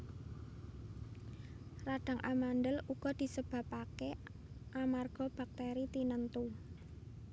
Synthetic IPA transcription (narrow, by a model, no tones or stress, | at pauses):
raɖ̥a̤ŋʔamandəluɡ̥ɔ̤d̪̥i̤səb̥ä̤pake | ʔamarɡ̥ɔ̤b̥a̤k̚t̪eɾit̪inənt̪u